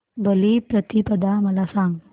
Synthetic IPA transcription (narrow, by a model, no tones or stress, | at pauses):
bəlipɾət̪ipəd̪aməlasãŋɡ